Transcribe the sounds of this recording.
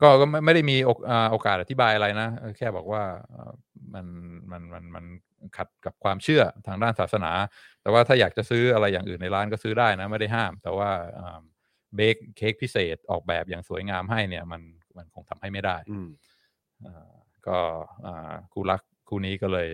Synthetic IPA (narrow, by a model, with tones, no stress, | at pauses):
kɔː˥˩kɔː˥˩ma˥˩jma˥˩jda˥˩jmiː˧ʔoː˧ʔəː˨˩ʔoː˧kaː˨t̪ʔa˨˩t̪ʰi˦˥baː˧jʔa˧ɾa˧jna˦˥ɤː˧˩kʰɛː˥˩bɔː˨˩k̚waː˥˩ʔə̰ː˧˩ | ma˧nma˧nma˧nma˧n | kʰa˨˩t̪̚ka˨˩p̚kʰwaː˧mt͡ɕʰɯ˥˩ɐt̪ʰaː˧ŋdaː˥˩nsaː˨˩sa˧na̰ː˩˦ | t̪ɛː˨˩waː˥˩t̪ʰaː˥˩jaː˨˩k̚t͡ɕa˨˩sɯː˦˥ʔa˧ɾa˧jːaː˨˩ŋʔɯː˨˩nːa˧jɾaː˦˥nkɔː˥˩sɯː˦˥daː˥˩jna˦˥ma˥˩jda˥˩jɦaː˥˩mt̪ɛː˨˩waː˥˩ʔəː˨˩m | beː˦˥k̚ʰːeː˦˥k̚pʰi˦˥seː˨˩t̪̚ʔɔː˨˩k̚bɛ̰ː˨˩p̚jaː˨˩ŋsu˩˦jŋaː˧mɦa˥˩jni˥˩ɐma˧n | ma˧nkʰo˧ŋt̪ʰa˧mha˥˩jma˥˩jdaː˥˩j | ʔəː˨˩ | kɔː˥˩ʔaː˨˩kʰuː˧˩la˦˥k̚ʰːuː˥˩niː˦˥kɔː˥˩lɤː˧j